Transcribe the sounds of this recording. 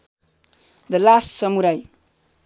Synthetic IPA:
d̪əlasːʌmuɾaj

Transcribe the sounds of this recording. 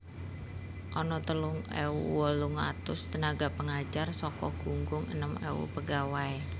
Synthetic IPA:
ʔɔnɔt̪əlʊŋɛ̰uwɔluŋa̰t̪ʊst̪ənaɡapəŋḁd͡ʒarsɔkɔɡ̥uŋɡʊŋə̰nəmɛ̰ṵpəɡawae

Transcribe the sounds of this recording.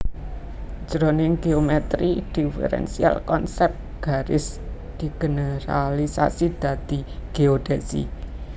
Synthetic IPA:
d͡ʒɾonɪŋɡeomɛt̪ɾid̪̥ifə̰ɾɛ̰nsia̰lkɔnsɛp̪̚ | ɡ̥a̤ɾɪs | d̪̥i̤ɡ̥ənəɾalisa̰sid̪̥ä̤d̪̥i̤ɡ̥eod̥ɛsḭ

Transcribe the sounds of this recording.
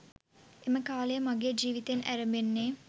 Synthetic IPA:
eməkaːlejəmaɡeːd͡ʒiːʋit̪enæɾəmenːeː

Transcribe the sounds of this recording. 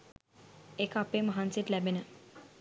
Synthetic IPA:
ekapeməɦansiʈlɛbenə

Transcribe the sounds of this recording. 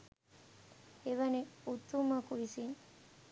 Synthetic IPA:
eʋɐneut̪ːumɐkuʋisin

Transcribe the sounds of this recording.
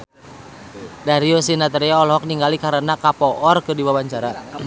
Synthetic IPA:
daɾiosinat̪̬ɾiaɔlɔɦɔk̚niŋɡalikaɾənakapɔʔɔrkɨrdiwawaɲt͡ʃaɾa

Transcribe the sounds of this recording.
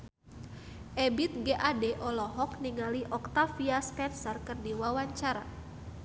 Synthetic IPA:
ʔɛbit̪̚ɡeʔadɛʔɔlɔɦɔkniŋaliʔɔk̚t̪afiaspɛnsərkɨrdiwawaɲt͡ʃaɾa̰

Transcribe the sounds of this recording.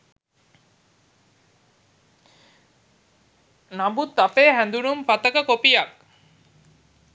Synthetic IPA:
nabut̪ːɐpeːɦæ̃nd̪uɽumpɐt̪ɐkɐkopijɐk̚

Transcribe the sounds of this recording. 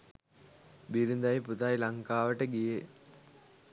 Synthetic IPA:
biɾund̪ajput̪ajlɐŋkaːʋəʈəɡije

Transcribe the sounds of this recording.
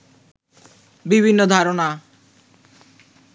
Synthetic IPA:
bibʱinːod̪ʱaɾona

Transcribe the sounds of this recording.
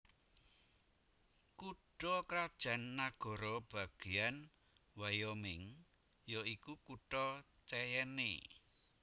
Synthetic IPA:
kuɖ̥ɔkɾad̥ʒ̥a̤nːaɡ̥ɔ̤ɾɔb̥a̤ɡ̥e̤jan | wajɔmɪŋ | jɔikukuʈɔ | t͡ʃɛjɛnḛ

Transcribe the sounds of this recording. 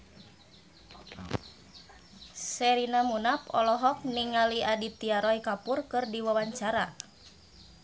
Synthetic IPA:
sɛɾinamunapɔlɔɦɔk̚niŋaliadit̪iaɾɔikapurkɨrdiwawaɲt͡ʃaɾa

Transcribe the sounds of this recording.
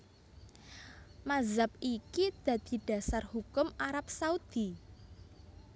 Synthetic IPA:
mazap̚ikid̪̥ä̤d̪̥i̤ɖ̥a̤sarhukʊmaɾap̚saud̪̥i̤

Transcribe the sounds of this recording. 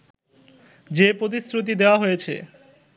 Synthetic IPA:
d͡ʑepɾot̪̬isɾut̪̬id̪eoaɦojet͡ɕʰḛ

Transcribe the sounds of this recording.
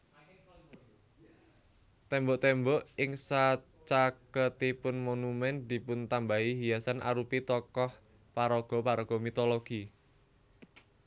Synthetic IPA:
t̪ɛmbɔʔt̪ɛmbɔʔɪŋsa | t͡ʃakət̪ipʊnmonumɛnd̪i̤pʊnt̪ambaɦiɦiasanʔa̰ɾupit̪ɔkɔh | paɾɔɡ̥ɔ̤paɾɔɡ̥ɔmit̪ɔloɡ̥i

